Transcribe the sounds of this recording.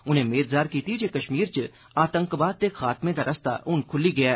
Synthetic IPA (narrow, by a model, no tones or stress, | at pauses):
ʊnɦẽmeːt̪zaːɾkiːt̪id͡ʒekɐʃmiːɾt͡ʃ | aːt̪ə̃ŋkbaːt̪ːexaːt̪mẽd̪aɾʔɐst̪a̰ʔʊnkʰʊliɡɐja